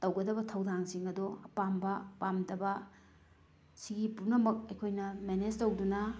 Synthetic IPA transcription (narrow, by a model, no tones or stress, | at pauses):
tɐwɡɐdɐbɐtʰɐwdaŋsiŋɐdɔɐpambɐpamdɐbɐ | siɡipuɾnɐmɐk̚ɐjkʰojnɐmened͡ʒtɐwdunɐ